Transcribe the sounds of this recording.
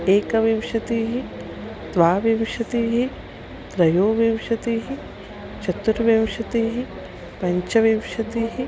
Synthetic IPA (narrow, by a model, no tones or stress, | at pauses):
eːkɐʋiʋʃɐt̪iːɦi | t̪ʋaːʋimʃɐt̪iːɦi | t̪ɾɐjoːʋiʋʃɐt̪iːɦi | t͡ʃʰɐt̪uɾɐʋimʃɐt̪iːɦi | pɐɲt͡ʃɐʋimʃɐt̪iːɦi